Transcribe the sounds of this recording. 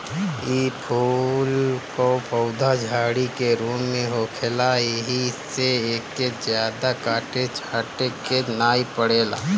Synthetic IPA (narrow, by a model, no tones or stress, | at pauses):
iːpʰulkopʰəʊd̪ʱad͡ʒʱaːɽikeɾuːmːẽɦoːkʰeːlaeɦiseeːkːezjaːd̪akaːʈet͡ʃʰaːʈekenaːipəɽeːla̰ː